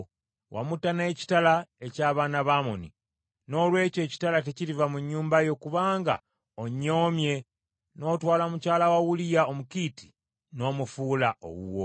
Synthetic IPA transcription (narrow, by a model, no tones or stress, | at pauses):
wʔa̰mutaneːci̥talaecaːβaːnaβaːmonḭ | no̞ːlwe̞ːce̞ci̥talateciɾivamuɲːuːmbajo̞kuβaːŋɡa̰ | oɲːo̞ːmje̞ | no̞ːtwaːlamucaːlawawulijaomukiti̥ | no̞ːmufuːlaʔo̰wṵwo